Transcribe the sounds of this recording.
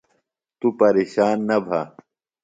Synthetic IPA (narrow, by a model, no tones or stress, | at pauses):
t̪upɐɾeːɕaːnːɐbʱa